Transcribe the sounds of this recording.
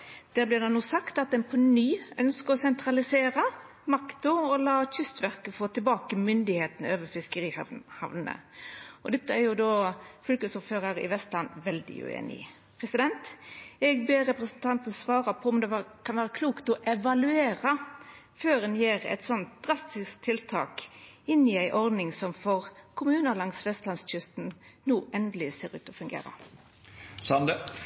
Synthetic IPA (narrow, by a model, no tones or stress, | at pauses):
d̪̥æːblɪd̪ɛnuːsɑkt̪ɑt̪ɛnpʰɔnyːœnskəɾɔsɛnt̪ɾɑlɪseːɾɑ | mɑkt̪ʊɔlɑːçʏst̪ʋæʁkəfoːt̪ʰɪlbɑːkəmʏnd̪ɪheːt̪n̩øːʋəɾfɪskəɾiːhhɑ̰ʋnə̰ɔd̪ɛt̪ːəæɾjʊd̪oːfɔlkəsʊføːɾəɾɪ̰ʋɛst̪lɑnːʋɛld̪ɪ̰ʉ̰ḛːnɪ̰ | pʰɾɛsɪd̪ɛnt̪ɛɡbeːʁɛpʁɛsənt̪ʰɑnt̪n̩sʋɑːʁəpʰɔɔmd̪ɛkʰɑnʋæːʁəkʰluːkt̪ɔʔɛʋɑlʉeːɾə | føːʁɛnjeːʁæ̰ɪt̪sɔnt̪̚d̪̥ʁɑst̪ɪskt̪ʰɪlt̪ʰɑ̰ːk | ɪnːɪæɪʔɔʁd̪nɪŋsɔmfɔʁkʰʊmʉːnəɾlɑŋsʋɛst̪lɑnsc͡çʏst̪n̩nuːʔɛnd̪əlɪseːʁʉ̰ːt̪ɔfʉŋɡḛːɾə̰ | sɑnd̪ə